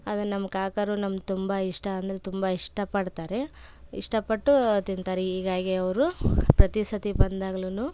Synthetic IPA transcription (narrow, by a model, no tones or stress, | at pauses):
ɐd̪ɐnɐmːɐkaːkɐɾunɐmɐd̪t̪umbɐiʂʈɐːnd̪ɐɾet̪umbɐiʂʈɐpɐɽt̪aːɾe̞ | ḭʂʈɐpɐʈːut̪int̪aːɾeɦiːɡaːɡeɐʋɐɾupɾɐt̪isɐt̪ibɐnd̪aːɡɐlunuː